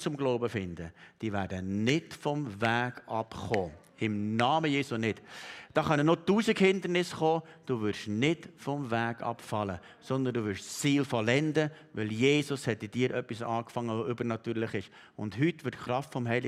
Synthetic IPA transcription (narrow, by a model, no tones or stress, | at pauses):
t͡sʊmɡloʊbəfɪndəd̥iːʋæːɾdənɪtfɔmvæːɡɑpχoː | ɪmnɑːməjeːsunɪtd̥ɑːχɑnənotuːsikhɪnd̪əɾnɪsχoːd̥uʋʏɾʃnɪdfɔmvæːɡɑ̰pfɑlə | sɔnd̪ənduːʋʏɾʃt͡sːiːlfɔlɛndə | ʋɪljeːsʊshɛtɪd̥iːɾʔœpːisɑːkfɑŋːəʋoʏbəɾnɑt̪yːɾlɪχɪʃ | ʊ̰ndɦytʋɪtχɾɑftfɔmɦɛɪlɪ